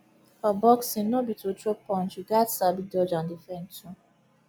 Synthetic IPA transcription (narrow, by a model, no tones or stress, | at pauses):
abɔksĩnnobitotɹopɔ̃nt͡ʃiɡatsabidɔd͡ʒãndifɛ̃ntʰũ